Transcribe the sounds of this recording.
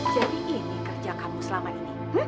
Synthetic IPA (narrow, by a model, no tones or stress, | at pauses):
d͡ʒadiʔinikərd͡ʒakamusəlamaini | h̩